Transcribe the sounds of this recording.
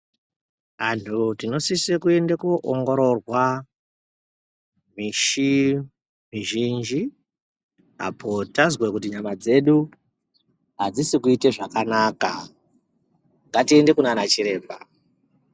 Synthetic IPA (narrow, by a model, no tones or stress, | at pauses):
antʰutino̞sisekue̞ndekuʔoŋɡo̞ɾo̞rwa | miʃi | miʒind͡ʒi | a̰pʰo̞tazwekutiɲamad͡ze̞ɗu | ɦad͡zisikuite̞ʐakanaːka̰ | ŋɡatie̞nde̞kunanat͡ʃiɾe̞ːbʱa